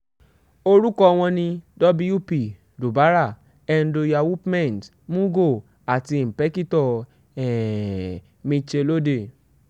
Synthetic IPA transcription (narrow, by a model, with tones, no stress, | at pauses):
o˧ɾu˦kɔ˧w̃ɔ̃˧nĩ˧dɔ˦bi˧˦ju˦pi˨ | du˨ba˨˦ɾa˦˨ | ɛ˧n̩˨do˧ja˧wu˦pmɛ̃˦˨n˨t | mũ˦ɡo˦˨ | a˨ti˧m̩˨pɛ˨˦ki˦tɔ˦˨ | ɛ˨ | mĩ˧t͡ʃe˧lo˦de˦˨